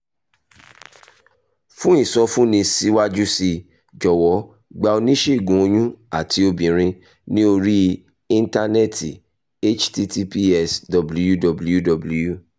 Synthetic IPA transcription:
fũ˦i˦˨sɔ˧˦fũ˦nĩ˧si˦wa˦d͡ʒu˦si˧ | d͡ʒɔ˨wɔ˨˦ | ɡ͡ba˧o˧nĩ˦ʃe˦i˨ɡũ˨˦o˧j̃ũ˦a˦˨tʰi˧o˧bĩ˨ɾ̃ĩ˧ | nĩ˦o˧ɾi˦ | ĩ˧n˦ta˧nɛ˦˨ti˨ | e˦t͡ʃti˦ti˦pi˦ɛ˦˨sdɔ˨blu˦ju˦dɔ˧bu˦ju˦dɔ˨bu˦ju˦

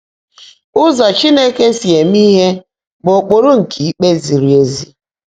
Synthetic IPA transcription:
ʊ˦zɔ˨t͡ʃi˦ne˦ke˦si˨e˨m˦i˦ɦe˦ | bo˨k͡po˨ɾo˦ŋ̩˨kʰi˨i˦k͡pe˦zi˨ɾi˨e˨zi˦

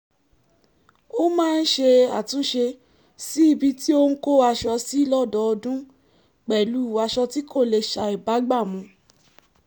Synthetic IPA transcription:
o˦mãː˦˧n̩˦ʃe˧a˨tũ˨˦ʃe˧ | si˦i˧bi˧ti˦o˦nũ˦ko˦a˧ʃɔ˧si˦lɔ˦˨dɔ˧˨ɔ˧dũ˦ | k͡pɛ˨lu˨˦˨wa˧ʃɔ˧ti˦ko˦˨le˧ʃa˧i˨ba˨˦ɡ͡ba˦˨mũ˧˦

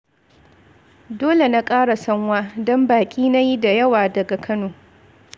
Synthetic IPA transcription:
doː˦le˨na˦kʼaː˦ɽa˨sɐ˦ŋwaː˦dɔ˦mbaː˨kʲʼiː˦na˦ji˦da˨jɐ˦waː˨dɐ˨ɡa˨kʰɐ˦noː˨

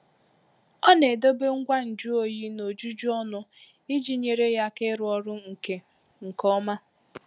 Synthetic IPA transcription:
ɔ˦ne˨do˦be˦ŋ̩˦ɡʷa˦n̩˨d͡ʒu˦o˨ji˦no˨d͡ʒu˦d͡ʒu˦ɔ˦nʊ˦ | i˦d͡ʒi˨ɲe˨ɾe˦ja˦ke˦ɾʊ˦ɔ˦ɾʊ˦ŋ̩˨ke˦ | ŋ̩˨kɔ˦ma˦

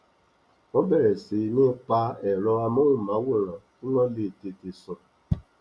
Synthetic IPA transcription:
ɔ˦bɛ˦˨ɾɛ˨si˨˦ne˦pa˦ɛ˨ɾɔ˧a˧mo˦u˦˨ma˨˦wʊ˦˨ɾã˨ | u˦nɔ˦le˨te˨te˨sɔ˧

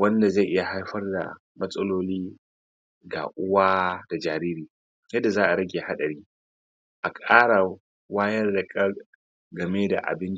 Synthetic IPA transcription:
wɐ˦nda˨za˦˨jʔɪ˦ja˨ha˦jɸɐ˦rda̰˨ | mɐ˦sʼɐ˦loː˦liː˦ | ɡa̰˨ʔʊ˦waː˦d̥a˨d͡ʒaː˨ɾiː˦ɾiː˨ | jɐ˦dːa˨zaː˦ʔa˨ɾɐ˦ɡʲe˨ha˦ɗɐ˨ɾiː˦ | ʔa˨kʼaː˦ɽa˨ | waː˦jɐ˦rda˨kʼɐ˦ɾ | ɡɐ˨meː˦da̰˨ʔa̰˨bɪ˦n˦

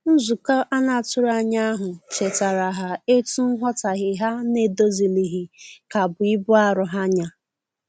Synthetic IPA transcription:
n̩˦zu˨kɔ˦ʔa˦na˨tʊ˦ɾa˦ɲa˦a˦ɦʊ˨t͡ʃe˨ta˨ɾa˨ɦa˨e˦tu˦n̩˦ɦɔ˦ta˨ɣɪ˨ɦa˦ne˨do˦zi˨li˨ɦi˨ka˨bʊ˨i˦bʊ˦a˦ɾʊ˨ɦa˦ɲa˨

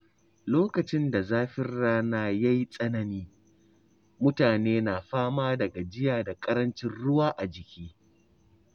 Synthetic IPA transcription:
loː˦kɐ˨t͡ʃɪ˦nda˨zaː˦ɸɪ˦rːaː˦naː˦ja˦ji˦sʼɐ˦nɐ˨niː˦ | mʊ˦taː˨neː˦naː˨ɸaː˦maː˦dɐ˨ɡa˨d͡ʒɪ˦jaː˨da˨kʼɐ˦ɾɐ˦nt͡ʃɪ˦nɽʊ˦waː˦ʔa˨d͡ʒɪ˨kʲiː˦

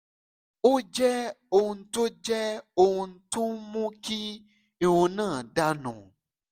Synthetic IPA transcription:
o˦d͡ʒɛ˦o˨n̩˨to˦d͡ʒɛ˦o˨n̩˨tũ˦mũ˦ki˦ | e˨wo˨nãː˦˨ɖa˦nṵ̃˨

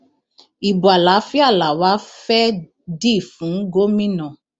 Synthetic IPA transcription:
i˨bu˨a˨la˨˦fi˦a˦˨la˨wa˨˦fɛ˦ | di˦˨fũ˨˦ŋ̩˦ɡo˦mĩ˦nã˦˨

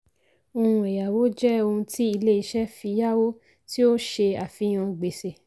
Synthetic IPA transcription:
o˧hũ˧e˨ja˨wo˨˦d͡ʒɛ˦o˧hũ˧tʰi˦i˧le˦i˧ʃɛ˦fi˧ja˦wo˦ | ti˦o˦ʃe˧a˨fi˧˦j̃ã˧ɡ͡be˨se˨

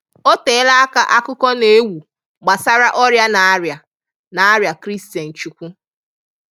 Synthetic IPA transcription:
o˦teː˨˦la˦a˦ka˦ʔa˦kʊ˦kɔ˦ne˨˦wu˨ | ɡ͡ba˨sa˦ɾa˦ʔɔ˦ɾja˦na˨˦ɾja˨ | na˨a˦ɾja˨kɾi˦sta˨n̩˨t͡ʃu˨kʷu˦

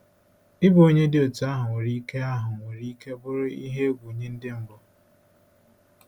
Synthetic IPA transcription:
ɪ˦bo˦ɲe˦dɪ˦o˨tu˨a˦ɦʊ˨ŋʷe˨ɾi˦ke˦a˦ɦʊ˨ŋʷe˨ɾi˦ke˦bʊ˦ɾʊ˦i˦ɦe˦ɡʷu˨ɲe˦n̩˦dɪ˦m̩˦bʊ˦

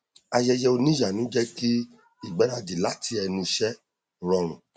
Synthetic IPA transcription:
a˧jɛ˧jɛ˧o˧nĩ˦ja˨nũ˨˦d͡ʒɛ˦ki˦ | i˦˨ɡ͡bɛ˨˦ɾã˧di˨la˨˦tʰi˦ɛ˧nũ˧ʃɛ˦ | ɾɔ˧ɾ̃ũ˨

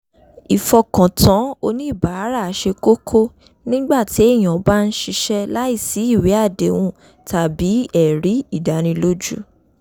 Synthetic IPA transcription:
i˨fɔ˧kɔ̃˨tʰã˨˦o˧nĩ˦i˦˨ba˨˦ɾa˦˨˦ʃe˧ko˦kʰo˦ | nĩ˦ɡ͡ba˦˨ti˨˦e˦˨j̃ã˨˦ba˦˧n̩˦ʃi˧ʃɛ˦la˦i˦˨si˨˦i˦˨wi˨˦a˦˨de˨˦w̃ũ˦ | ta˧bi˨˦ɛ˨ɾi˨˦i˦˨da˨˦ñĩ˧lo˦d͡ʒṵ˦

